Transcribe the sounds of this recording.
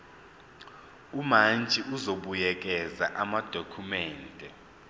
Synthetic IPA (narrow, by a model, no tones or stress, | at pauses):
umand͡ʒʱiʔuzoɓujɛk̬ʼɛzaʔamad̥ʱokʰumɛːntʼɛ